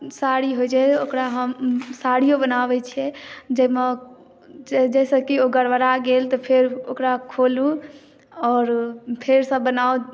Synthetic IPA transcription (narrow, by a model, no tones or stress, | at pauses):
saɽiɦojd͡ʒɛokɾaɦəmsaɽijobənabɛt͡ʃʰiɛd͡ʒeme | d͡ʒɛsə̃kioɡəɽʋəɾaɡelt̪ɔpʰeɾokɾakʰolu | ɔːɾpʰeɾsə̃bənau